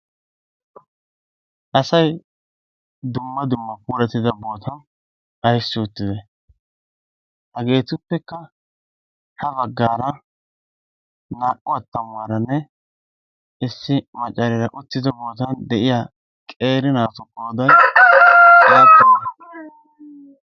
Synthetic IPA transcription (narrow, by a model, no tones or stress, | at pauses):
ʔɐsɐj | d̪ʊmːɐd̪ʊmːɐpuːɾɛt̪ːɪd̪ɐbo̞ːt̪ʰɐn | ɐjsːɪʊt̪ːɪd̪ɛ | hɐɡe̞ːt̪ʊpːɛkːɐ | hɐbɐɡːaːɾɐ | naːʔɔɐt̪ːɐmʊwɐɾɐnːɛ | ɪsːɪmɐt͡ʃʼɐɾɪɾɐʔʊt̪ːɪd̪ɔbo̞ːt̪ɐnd̪ɛʔɪjaː | kʼeːɾɪnaːfɔkʼːoːd̪ɐj | jaːtːɐɐ